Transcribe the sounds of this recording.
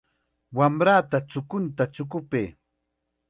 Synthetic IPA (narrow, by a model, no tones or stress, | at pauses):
wamɾaːt̪at͡sʊkʊnt̪at͡ʃʊkʊpeː